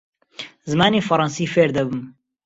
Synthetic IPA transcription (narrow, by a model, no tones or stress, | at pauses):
zɨmaːniːfɐɾˤɑnsiːfeːɾd̪ɐbɨm